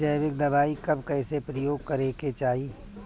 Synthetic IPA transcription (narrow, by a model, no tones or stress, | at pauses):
d͡ʒɐjʋɪk̚d̪ɐbaːikɐbkɛːsepɾɐjoːɡkɐɾeːket͡ʃaːɦi